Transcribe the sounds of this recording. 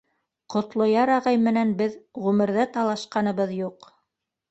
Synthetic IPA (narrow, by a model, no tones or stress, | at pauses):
qŏt̪lˠojɑɾɑʁɑjmɘ̆nænbɘðʁʉmɘ̆ɾðɘt̪ɑlˠɑʃqɑnɤ̆βɤðjuq